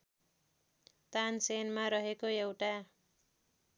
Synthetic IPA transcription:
t̪ansenmaɾʌɦekoewʈa

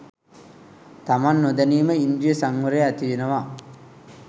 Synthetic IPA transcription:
t̪amanːod̪aniːməind̪ijəsaŋʋəɾeæt̪iʋenəʋa

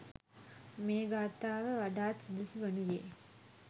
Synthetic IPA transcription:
meːɡaːt̪aːʋəʋaɖaːsid̪isuʋɐnujeː

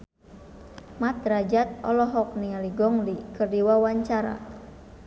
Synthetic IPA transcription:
mat̪rad͡ʒat̪̚ɔlɔɦɔk̚nialiɡɔŋlikərdiwawaɲt͡ʃaɾa̰

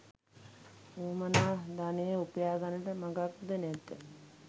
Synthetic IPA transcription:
uːmənaːd̪anejəupəjaːɡanəʈəmaɡakːud̪ənɛt̪ːə

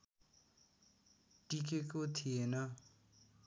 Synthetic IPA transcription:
ʈikekot̪ʰijenʌ

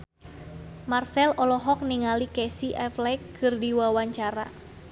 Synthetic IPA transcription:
marsɛlɔlɔɦɔk̚niŋalikɛsiʔɛflɛkːɨrdiwawaɲt͡ʃaɾa

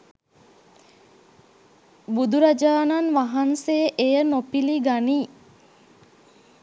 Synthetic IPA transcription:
bud̪uɾad͡ʒaːnanʋaɦansejəʔejənopiliɡaniː

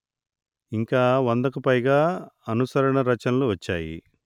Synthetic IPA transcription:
iŋkaːʋɐnd̪ɐkupɐjɡaːɐnusɐɾɐɳɐɾɐt͡ʃɐnɐluʋɐt͡ʃːaːjḭ

